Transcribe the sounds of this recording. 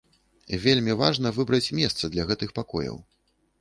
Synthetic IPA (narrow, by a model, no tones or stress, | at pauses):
vʲelʲmʲivaʐnɐvɨbɾɐt͡sʲmʲɛst̪sɐd̪lʲɐɣɛt̪ɨxpakɔ̰jɐ̰w